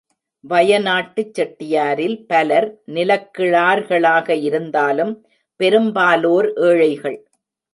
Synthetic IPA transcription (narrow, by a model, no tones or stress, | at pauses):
ʋɐjɐnaːʈːɯt͡ʃːɐʈːɪjaːɾɪlpɐlɐɾnɪlɐkːɪɭaːɾɣɐɭaːɣɐɪɾɯnd̪aːlɯm | pɛɾɯmbaːloːɾʔeːɻɐɪɣɐɭ